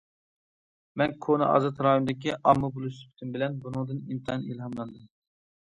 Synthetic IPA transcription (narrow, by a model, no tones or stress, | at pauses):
mɛnkʰonɨʔɑ̰ːzɑt̪ɾɑjund̪ɪkʲiʔɑmːɨbulˠuspʰt̪ʰymbɪlɛnbunɨŋd̪ɨnimt̪ʰɨɦɑnilɦɑmlˠɑnd̪ɨm